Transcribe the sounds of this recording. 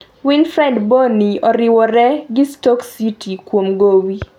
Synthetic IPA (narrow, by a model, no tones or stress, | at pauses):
winfɾɛdboniɔɾɪwɔɾɛɡɪstɔksitʰikwomɡowi